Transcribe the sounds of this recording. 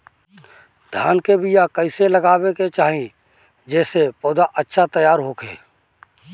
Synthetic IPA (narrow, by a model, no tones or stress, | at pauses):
d̪ʱjaːnkebʱijakəɪseləɡaːbeket͡ʃaːɦĩ | d͡ʒɛːsepɔːd̪aʔətːʃʰat̪əjaːɾɦoːkʰḛː